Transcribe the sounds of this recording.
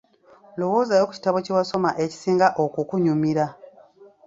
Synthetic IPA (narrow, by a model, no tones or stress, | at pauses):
lowoːzajo̞ːku̥ci̥taβocewaso̞maʔe̞ci̥siːŋɡaʔokukuɲumiɾa